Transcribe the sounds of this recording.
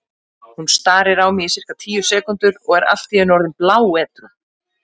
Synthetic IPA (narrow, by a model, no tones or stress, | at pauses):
hunst̪aːɾɪɾawmiɪsɪr̥kat̪ʰiːjʏsɛːkʏnt̪ʏɾɔɣɛɾa̰ft̪iɛnɔɾðɪnplaːwɛːt̪ɾʏ